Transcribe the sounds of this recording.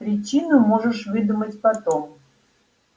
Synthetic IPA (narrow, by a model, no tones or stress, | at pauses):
pɾʲɪt͡ɕinʊmoʐɨʂvɨd̪umətʲpɐt̪om